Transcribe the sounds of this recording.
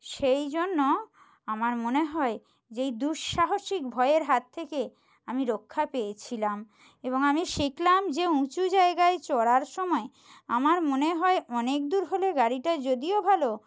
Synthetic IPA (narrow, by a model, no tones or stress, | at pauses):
ʃejd͡ʑonːo | amaɾmoneɦɔe | d͡ʑejd̪uʃʃaɦoʃik̚bʱɔeeɾɦat̪ʰːeke | amiɾokʰːapejet͡ɕʰilam | eboŋamiʃiklamd͡ʑeũt͡ɕud͡ʑaeɡaet͡ɕɔɽaɾʃɔmɔe | amaɾmoneɦɔeʔɔnek̚d̪uɾɦoleɡaɾiʈad͡ʑod̪iobʱalo